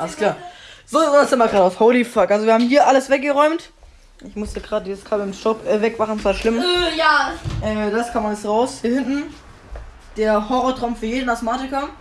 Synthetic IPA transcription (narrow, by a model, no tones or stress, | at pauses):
ʔaləskʰl̥aːɐz̥oːzasɪmvɐɡʁaːɾaʊfhoʊlifakʔalzoviɐhaːbmɦiːɐʔaləsvɛk̚ɡ̥əʁɔʏmt | ʔɪçmʊstəɡ̥ʁaːdəjɛt͡sɡ̥ʁaːdɪmstɔpʔɛːvɛkvaχn̩svaːʃlɪmjaʔɛːd̥askʰaːmaləsʁaʊshɪntn̩ | d̥eːɐhɔʁɔtʁ̥aʊmfyːɐjeːdnasmaːtɪka